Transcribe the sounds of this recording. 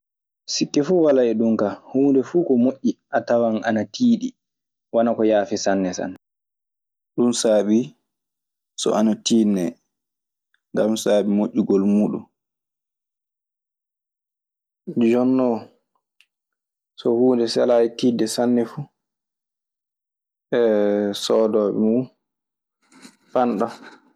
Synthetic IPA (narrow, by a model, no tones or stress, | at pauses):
sikːɛfuwalaɛɗumkahuːndɛfukɔmoʔːiʔatawana̰natʰiːɗi | wanakɔjaːfisanːɛsa̰n | ɗunsaːɓi | sɔ̰anatiːnːɛ | ŋɡamsaːɓimoʔːiɡɔlmuːɗṵn | d͡ʒɔnːɔ | sɔhuːndɛsɛlajitiːdɛsanːɛfu | ʔɛsɔːdɔːɓɛ̰mu | panɗɔ